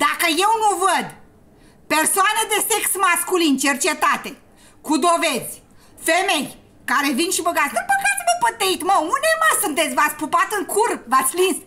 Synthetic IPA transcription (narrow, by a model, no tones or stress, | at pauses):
d̪̥akəje̞wnuvəd̪ | pe̞rsoaned̪e̞seksmaskulint͡ʃert͡ʃe̞t̪at̪e̞ | kud̪o̞ve̞zʲ | femej | kaɾe̞vinʃibəɡat̪ʲd̪əbəɡat̪sʲmepət̪eit̪məund̪emasunt̪et̪sʲvat̪sʲpupat̪ɨŋkʰurvat̪sʲlins